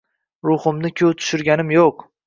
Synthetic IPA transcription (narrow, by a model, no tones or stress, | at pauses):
ɾʊhʊmnɪkʲʰɵwt̪ʰʊ̥ʃʊɾɡʲanɪmjoq